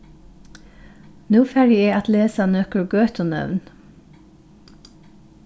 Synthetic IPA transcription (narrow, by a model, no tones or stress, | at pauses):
nʉːfæɹɪeːɑt̪leːsɑnøːkəɹɡøːt̪ʰɔnœ̰ʋn